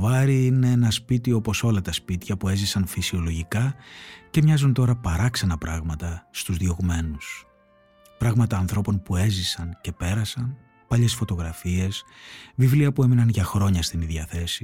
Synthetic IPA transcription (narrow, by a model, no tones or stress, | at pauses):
vɐɾiine̞enɐspit̪io̞po̞so̞lɐt̪ɐspit̪çɐpue̞zisɐnfisio̞lo̞ʝikɐce̞mɲɐzunt̪o̞ɾɐpɐɾɐksɐnɐpɾɐɣmɐt̪ɐst̪uzðio̞ɣume̞nus | pɾɐɣmɐt̪ɐːnθɾo̞po̞npue̞zisɐnce̞pe̞ɾɐsɐn | pɐʎe̞sfo̞t̪o̞ɣɾɐfie̞svivliɐpue̞minɐnʝɐxɾo̞ɲɐst̪iniðjʝɐθe̞si